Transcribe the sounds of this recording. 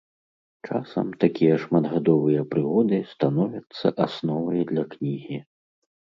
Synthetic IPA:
t͡ʂa̰sɐ̰mt̪akʲijɐʂmad̪ɣad̪ɔvɨjɐpɾɨɣɔd̪ɨst̪anɔvʲɐt̪sːɐ̰ʔasnɔvɐjd̪lʲɐknʲiɣʲi

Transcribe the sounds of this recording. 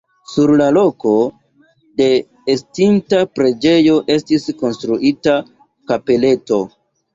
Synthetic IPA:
suɾlalo̞ko̞ | de̞ː | stimtapɾe̞d͡ʒe̞jo̞ʔe̞stisko̞nstɾuʔita | kape̞le̞to̞

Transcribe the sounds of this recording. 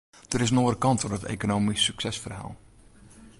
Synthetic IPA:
d̥əɾɪs̬noːrəkɑntorətḛːkonoːmisːyksɛsfərɦa̰ːlˠ

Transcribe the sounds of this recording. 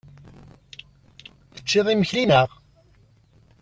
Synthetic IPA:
θə̥t͡ʃːɪðˤiməçlinəʁ

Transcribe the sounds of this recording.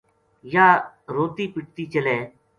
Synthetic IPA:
jaː | ɾoːt̪iːpɪʈ̚t̪iːt͡ʃəlẽː

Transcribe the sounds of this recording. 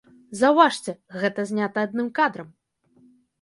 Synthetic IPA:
zɐwvaʂt͡sʲɛɣɛt̪ɐzʲnʲat̪ɐad̪nɨmkad̪ɾɐm

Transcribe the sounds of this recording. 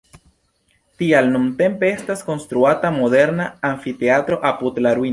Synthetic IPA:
t̪ialnunt̪e̞mpeest̪asko̞nst̪ɾuat̪amo̞ðe̞ɾnaːɱfit̪eat̪ɾo̞ʔaput̪laɾwin

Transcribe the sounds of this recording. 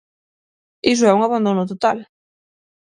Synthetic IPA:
is̬ʊɛuŋaβand̪onʊt̪ot̪al

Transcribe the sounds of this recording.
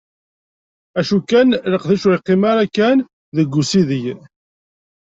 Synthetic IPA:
æʃukːænləqðæʃɾiqːimaɾakːæn | ðəɡʷːusiðəj

